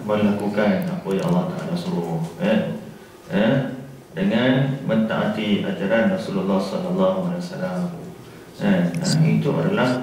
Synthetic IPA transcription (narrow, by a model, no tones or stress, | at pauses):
məɾlakukana̰pojaɑ̰lːɑht̪aʔa̰lasuɾuha | ə | dəŋanmənt̪a̰ʔat̪ia̰d͡ʒaɾanrasulalːɑhsɔlalːaɦualajwasalam | əə̰it̪uʔo̰ɾala